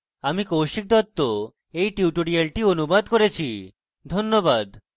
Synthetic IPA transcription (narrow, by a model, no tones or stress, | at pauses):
amikowʃik̚d̪ɔt̪ːo | ejʈiuʈoɽialʈionubad̪koɾet͡ɕʰi | d̪ʱonːobad̪